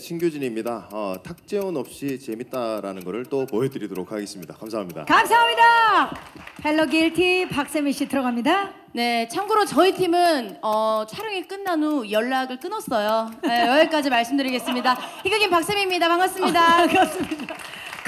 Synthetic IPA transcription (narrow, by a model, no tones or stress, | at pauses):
t͡ɕʰinɡjod͡ʑiɲimɲidaʌtʰak̚t͡ɕ͈e̞onʌp̚ɕ͈it͡ɕe̞mit̚t͈aɾa̰nɯnɡʌɾɯɭt͈opoɦedɯɾidoɾok̚ʰaɡe̞s͈ɯmɲida̰kamsʰaɦamɲida̰kamsʰaɦamɲida | peɭːʌɡeɭtʰipak̚s͈emiɕ͈itɯɾʌɡamɲida | ne̞t͡ɕʰaŋɡuɾot͡ɕʌitʰimɯnʌt͡ɕʰaɾɯŋik͈ɯnːanujʌɭːaɡɯɭk͈ɯnʌs͈ʌjoejʌiɭk͈ad͡ʑimaɭs͈ɯmdɯɾiɡe̞s͈ɯmɲidaçiɡaɡinpak̚s͈emimɲidapaŋas͈ɯmɲidakɾʌs͈mid